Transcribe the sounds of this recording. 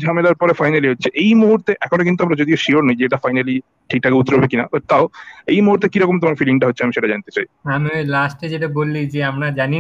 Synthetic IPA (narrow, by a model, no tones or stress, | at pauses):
d͡ʑʱamelaɾpɔɾefajnaliɦotːɕʰeʔejmuɦuɾt̪eʔɛkʰonok̬int̪uamɾad͡ʑod̪ioʃioɾnojd͡ʑeeʈafajnali | ʈʰik̚ʈʰakeut̪ːɾobekinabat̪aoejmuɦuɾt̪ekiɾɔkomt̪omaɾfiliŋʈaɦotːʰeamiʃeʈad͡ʑant̪e̥t͡ɕaj | amilasʈed͡ʑeʈabolːid͡ʑeamɽad͡ʑani